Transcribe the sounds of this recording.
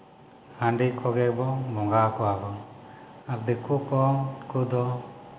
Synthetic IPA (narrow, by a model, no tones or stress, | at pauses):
hãɳɖikʰɔɡɛʔ̚bɔbɔŋɡakɔabɔ | aɾd̪ikukɔkud̪ɔ